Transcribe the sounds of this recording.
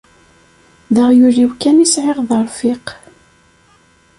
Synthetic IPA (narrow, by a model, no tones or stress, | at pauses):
ðəʁjuɾiwkænisʕeʁðəɾˤfɪq